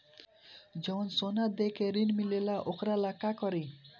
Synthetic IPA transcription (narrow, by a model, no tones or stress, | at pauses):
d͡zɔwnsonad̪ekʰeɾinmilelaʔokɾalakakʌɾi